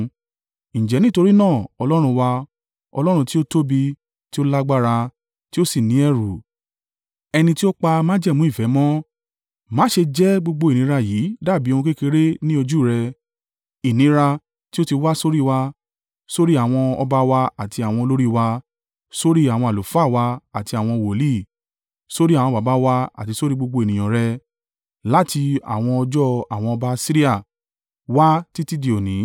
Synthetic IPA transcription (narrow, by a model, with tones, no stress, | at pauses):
ñ̩˨d͡ʒɛ˨˦nĩ˦to˧ɾi˦nãː˦˨ɔ˧lɔ˦ɾ̃ũ˧wa˧ | ɔ̰˧lɔ˦ɾ̃ũ˧ti˦o˦to˦bi˧ | ti˦o˦la˦ɡ͡ba˦ɾa˧ | ti˦o˦si˦˨nĩ˨˦ɛ˦˨ɾu˨ | ɛ˧nĩ˧ti˦o˦k͡pa˧mãː˦d͡ʒɛ˦˨mũ˨˦i˦˨fɛ˨˦mɔ̃˦ | mãː˨˦ʃe˧d͡ʒɛ˦ɡ͡bo˧ɡ͡bo˧i˨nĩ˨˦ɾa˧jiː˨˦da˦˨bi˨˦o˧ũ˧ke˦ke˧ɾe˦nĩ˦o˧d͡ʒu˦˨ɾɛ˧ | i˨nĩ˨˧˦ɾa˧ | ti˦o˦ti˧wa˦so˦ɾi˦wa˧ | so˦ɾi˦a˦˨w̃ɔ̃˧ɔ˧ba˧wa˧a˨ti˧a˨w̃ɔ̃˧lo˦ɾi˦wa˧ | so˦ɾi˦a˨w̃ɔ̃˧a˨lo˨fa˦˨wa˧a˨ti˧a˨w̃ɔ̃˧wo˨li˦˨ | so˦ɾi˦a˨w̃ɔ̃˧˨ba˨ba˨˦wa˧a̰˨ti˧so˦ɾi˦ɡ͡bo˧ɡ͡bo˧e˨nĩ˨j̃ã˨ɾɛ˧ | la˦ti˧a̰˨w̃ɔ̃˧ɔ˧d͡ʒɔ˦a˨w̃ɔ̃˧ɔ˧ba˧si˦ɾi˦a˦˨ | wa˦ti˦ti˦di˨o˨nĩ˨˦